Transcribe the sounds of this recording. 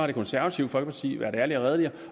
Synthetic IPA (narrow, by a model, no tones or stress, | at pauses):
hɑ̈ɾ̥e̝kʰɔnsæɐʋæt͡sʰiʊ̰fɒ̽l̰ɡ̥əpʰɑːt͡sʰḭːʋæːɐdɾæɐliɒʁɛð̞ˠəliɐ